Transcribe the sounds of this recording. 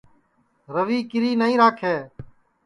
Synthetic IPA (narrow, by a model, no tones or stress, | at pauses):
ɾəʋiːkɪɾiːnəɦĩːɾaːkʰeː